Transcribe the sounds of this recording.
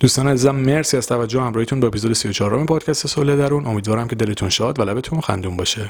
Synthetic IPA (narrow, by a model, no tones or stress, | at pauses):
d̪uːst̪ɒːnæziːzæmːeɾsiæz̥t̪ʰævæd͡ʒohhæmɾɒːhet̪ʰunbɒːepʰizod̪esijot͡ʃʰɒːɾo̰mepʰɒːd̪cʰæst̪esoled̪æɾunʔo̞miːd̪vɒːɾæmcʰe̞d̪e̞le̞t̪ʰunʃɒːd̪vælæbe̞t̪ʰunxæ̰nd̪uːmbɒːʃe